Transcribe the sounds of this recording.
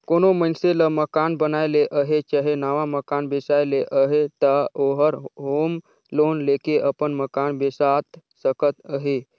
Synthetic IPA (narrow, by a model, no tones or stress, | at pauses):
konomənseləməkanbənajleʔəɦet͡ʃəɦenaʋaməkanbesajleʔəɦet̪əoɦəɾɦom | loːnlekeʔəpənməkanbesat̪ | səkət̪əɦe